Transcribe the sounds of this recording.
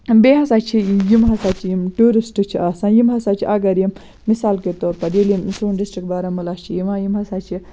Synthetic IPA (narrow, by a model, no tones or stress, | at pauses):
beːɦɐsaːt͡ʃʰijimɦɐsaːt͡ʃʰijimʈuːɾisʈɨt͡ʃʰiaːsãːjimɦɐsaːt͡ʃʰiʔɐɡɐɾjim | misaːlket̪oːɾpɐdilimsuːnɖisʈɾikbaːɾɐmulaːt͡ʃʰijimãːjimɦɐsaːt͡ʃʰi